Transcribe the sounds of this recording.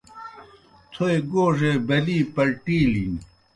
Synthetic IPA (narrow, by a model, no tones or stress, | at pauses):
t͡s̪ʰoeɡoːʂebɐliːpɐlʈili